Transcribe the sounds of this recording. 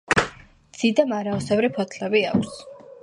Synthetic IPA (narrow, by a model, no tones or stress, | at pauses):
d̪z̥id̪amaɾaɔsɛvɾipʰɔt̪ʰlɛbiakʷʰs